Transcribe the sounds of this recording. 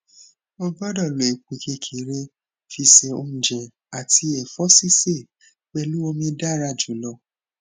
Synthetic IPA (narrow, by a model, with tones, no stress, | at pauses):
o˦˧bɔ˦dɔ˦˨lo˨e˨k͡pu˨kʰe˧˦kʰe˨˦ɾe˦ | fi˧se˧o̰˧m̩̃˨d͡ʒɛ̃˨ | a˨ti˧ɛ˨fɔ˦si˦se˦˨ | k͡pɛ˧lu˦o˧mĩ˧˦da˦ɾa˦˨d͡ʒu˨˦lɔ˧˦